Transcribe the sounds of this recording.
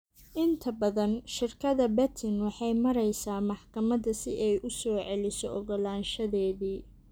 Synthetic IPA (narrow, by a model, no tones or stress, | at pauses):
ʔɪnt̪ʰɐbɐðɐnʃɪrkʰɐðɐbɛt̪ʰɪnwɑħɑjmɐɾɛjsaːmɑħkʰɐmɐðɐsɪʔɛjʔʊsɔːʕɛlɪsɔʔɔɣɔlaːnʃɐðɛːðiː